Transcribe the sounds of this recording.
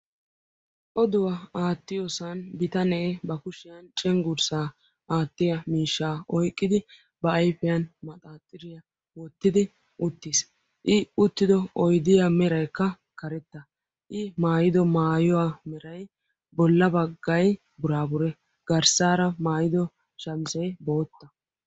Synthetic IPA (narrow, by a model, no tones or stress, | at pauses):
ʔɔd̪ʊwaaːt̪ːɪjɔsɐnbɪt̪ɐneːbɐkʊʃɪjɐnt͡ʃʼɛŋɡʊɾsaː | aːt̪ːɪjɐmiːʃːaːɔjkʼːɪd̪ɪ | bɐjfɪjɐnmɐt̪ʼaːt̪ʼːɪɾɪjɐ | wɔt̪ːɪd̪ɪ | ʔʊt̪ːɪs | ʔɪʊt̪ːɪd̪ɔɔjd̪ɪjamɛɾɐjkːɐ | kɐɾɛt̪ːɐ | ʔɪmaːjɪd̪ɔmaːjɔwaːmɛɾɐj | bɔlːɐbɐɡːɐj | bʊɾaːbʊɾɛ | ɡ̥ɐɾsaːɾɐmaːjɪd̪ɔ | ʃɐmsɛjbo̞ːt̪ːɐ